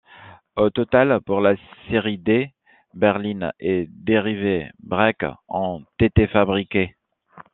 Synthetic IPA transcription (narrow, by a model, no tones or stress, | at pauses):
ot̪ɔt̪alpuʁlaseʁid̪e | bɛʁlinɛd̪eʁivebʁɛkɔ̃t̪et̪efabʁike